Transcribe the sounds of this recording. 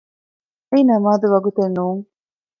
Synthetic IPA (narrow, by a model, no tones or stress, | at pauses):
einɐmaːd̪uʋɐɡut̪enːuːŋ